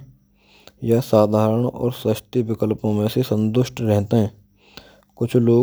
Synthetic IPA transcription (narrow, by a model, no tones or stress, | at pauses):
jasaːd̪ʱaːɾəɳ̃ɔ̰ːɾsɪʃt̪iʋɪkəlpõmẽsesə̃nt̪ʊʃʈɾɛɦt̪eɦɛ̃ː | kʊt͡ʃʰloː